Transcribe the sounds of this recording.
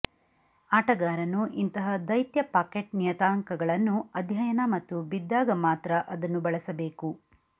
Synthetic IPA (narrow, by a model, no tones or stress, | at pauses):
aːʈɐɡaːɾɐnuʔint̪ɐɦɐd̪ɐjt̪jɐpaːkeʈ̚nijɐt̪aːŋkɐɡɐɭɐnːuɐd̪ʱjɐjɐnɐmɐt̪ːubid̪ːaːɡɐmaːt̪ɾɐʔɐd̪ɐnːubɐɭɐsɐbe̞ːku